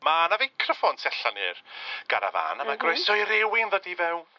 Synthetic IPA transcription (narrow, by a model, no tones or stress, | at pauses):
manavejkʰrəfɔntʰɛɬanɨrɡ̥aɾa̰va̰nəmaɡrɔjsɔɨɾɪwɪnðɔdivɛw